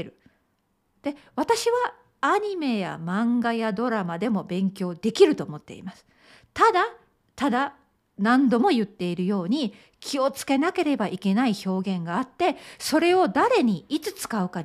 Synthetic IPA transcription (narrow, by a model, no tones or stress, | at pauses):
ɾɯ̟ | d̪̥e̞βat̪aɕiβaː | ɲ̟ime̞ja̰mãŋɡajad̪o̞ɾamad̪e̞mo̞bẽ̞ŋkʲo̞ːd̪e̞kʲiɾɯ̟t̪o̞ːmo̞t̪ːe̞ḭmasɨ̥ | t̪ad̪a | t̪ad̪a | nãnd̪o̞mo̞jɯ̟t̪ːe̞iɾɯ̟jo̞ːɲ̟i | kʲio̞t͡sɨ̥ke̞nake̞ɾe̞baʔike̞naiço̞ːɡẽ̞ŋɡaːt̪ːe̞so̞ɾe̞o̞d̪aɾe̞ɲ̟iit͡sɨt͡sɨ̥kaɯ̟ka